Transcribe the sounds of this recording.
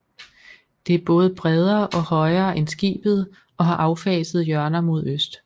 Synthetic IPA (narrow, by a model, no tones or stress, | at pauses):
d̥e̝æɐb̥ɔ̽ːð̞̩ˠb̥ʁɛð̞ˠɐːʔɒ̽hɒ̽ɪɐːʔensɡ̥ḭːb̥ð̞̩ˠ | ɒ̽ɦɑ̈ʔɑ̈ʊfɛ̰ːsð̞̩ˠjɶɐnɐmo̝ð̞ˠøsd̥